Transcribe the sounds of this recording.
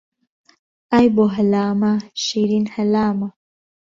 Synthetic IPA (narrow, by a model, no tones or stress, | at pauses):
ajboɦɐlaːmaʃiːɾinhɐlaːma